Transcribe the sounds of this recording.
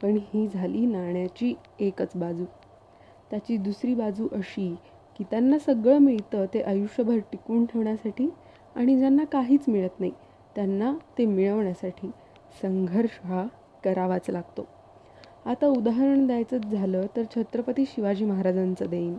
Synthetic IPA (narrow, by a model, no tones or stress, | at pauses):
pəɳhiːd͡zʱaliːnaɳjat͡ɕiː | ekət͡sbad͡zuː | t̪jat͡ɕiːd̪usɾiːbad͡zuːʔəɕiː | kit̪janːasəɡɭəmiɭt̪ət̪eʔəjuʂəbʱəɾʈikuːɳʈʰeʋɳjasaʈiː | aɽ̃id͡ʑanːakaɦiːt͡smiɭət̪nai | t̪janːat̪emiɭəʋɳjasaʈʰiː | səŋɡʱəɾʂɦa | kəɾaʋat͡slaɡ̚t̪o | at̪aud̪aɦəɾəɳd̪ajt͡sət͡sd͡zʱaləːt̪əɾt͡ɕʰət̪ɾəpət̪iːɕiʋad͡ʑiːməɦaɾad͡zant͡səd̪ein